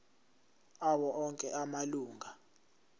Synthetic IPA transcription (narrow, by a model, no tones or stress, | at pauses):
aɓɔʔɔŋkʼɛʔamaluːŋʱa